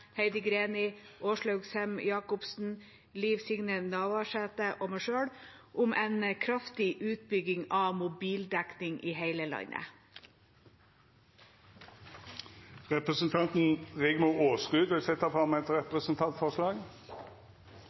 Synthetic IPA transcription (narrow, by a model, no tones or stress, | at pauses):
heɪd̪əɡɾeːnɪʔoːʃɭɑʉɡshɛmjɑːkʊpsn̩ | liːʋsɪŋnənɑːʋɑʃɛt̪əʔoːmɛʃøːɽ | ʔʊmʔɛɪnkʰɾɑft̪ɪʔʉːt̪̚bʏɡɪŋɑːmʊbiːld̪æknɪŋʔiːheɪləlɑ̰ɲə̰ | ʁɛpʁəsənt̪ʰɑnt̪n̩ʁɪɡmʊoːsʁʉːd̪ʋɪlsɛt̪ːəfɔʁmɛt̪ʁɛpʁəsn̩t̪ʰɑnt̪fɔʁʂlɑːɡ